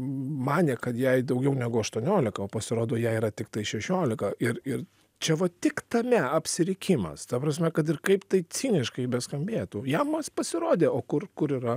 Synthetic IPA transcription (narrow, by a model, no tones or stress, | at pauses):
mɑːnʲeːkɐt̪jɛɪd̪ɐʊɡʲɛʊnʲæɡʊɐʃt̪uɔnʲoːlʲɪkɐoːpɐsʲɪɾoːd̪oːjɛiɾɐt̪ʲɪkt̪ɐɪʃʲɛʃʲoːlʲɪkɐɪɾɪr | t͡ʃʲɛʋɐt̪ʲɪkt̪ɐmʲɛɐpʲsʲɪɾʲɪkʲimɐ̰st̪ɐpɾɐs̬ʲmʲɛkɐt̪̬ɪrkɐɪpt̪ɐɪt͡s̪ʲiːnʲɪʃkɐɪbʲɛskɐmʲbʲeːt̪ujɛmmɐspɐsʲɪɾoːd̪ʲeːoːkʊrkʊɾiːɾɐ